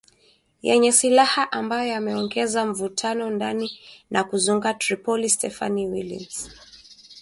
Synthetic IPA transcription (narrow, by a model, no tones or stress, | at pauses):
jɛɲɛsilahaʔambajɔjamɛɔŋɡɛzam̩vutʰanɔndaninʔakuzuŋɡatɾipɔlistɛfa̰niwilḭns